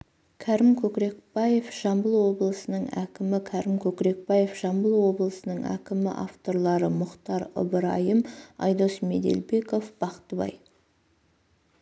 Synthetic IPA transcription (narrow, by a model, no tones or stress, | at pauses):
kʲʰæɾɪmkʲʰɵkɾe̞k̚bɑje̞fʒ̥ɑmbəlˠwo̞bəlˠəsənəɴæ̰kʲɪmɪkʲʰæɾɪmkʲʰɵkɾe̞k̚pɑje̞fʒ̥ɑmbəlˠwo̞bəlˠəsənəɴæ̰kʲɪmɪ̰ʔa̰ft̪o̞ɾlˠɑɾəmʊqt̪ɑɾʊ̰bəɾɑjəmɑ̰jd̪o̞sme̞̰d̪e̞̰lbe̞ko̞fb̥ɑqt̪əbɑ̰j